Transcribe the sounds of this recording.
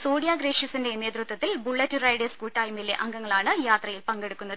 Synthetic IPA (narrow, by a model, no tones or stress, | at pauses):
soːɽjaːɡɾeːʂjɐsinde̞ne̞ːt̪rut̪wɐt̪ːilbuɭːɐtːurɐjɽeskuːlʈɐːjmilːeʔɐŋɡɐŋːɐɭaːɳɨjaːt̪rɐjilpɐŋɡe̞ɽukːunːɐðɨ